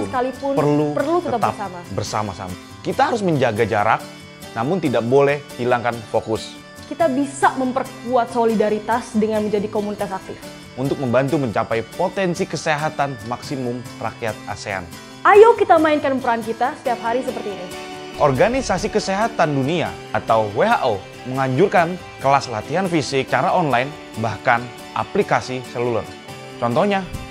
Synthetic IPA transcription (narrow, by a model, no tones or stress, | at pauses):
skalipʊnpərlupəlut̪əət̪aapsamabərsa̰ma̰sa̰ma | kit̪aɦaɾʊs̬məɲd͡ʒaɡad͡ʒaɾa̰k̚ | namʊnt̪idak̚bolɛhhilaŋkanfokʊs | kit̪abisaməmpərkuat̪̚solidaɾit̪asdəŋanməɲd͡ʒadikomunit̪asak̚t̪ɪf | unt̪ʊk̚məmbant̪uməɲt͡ʃapajpot̪ɛnsikəseɦat̪anmaksimʊmra̰kiat̪̚a̰sea̰n | ʔajowkit̪amainkanpəɾankit̪asə̥t̪iap̚ɦaɾisəpərt̪iːni | ʔɔrɡanisasikəseɦat̪andunia̰ʔːt̪awweɦaʔo | məŋaɲd͡ʒurkan | kəlasla̰t̪iɦanfisɪk̚t͡ʃaɾaɔnlajn | bahkan | ʔa̰plikasisəlulʊr | t͡ʃɔnt̪ɔhɲa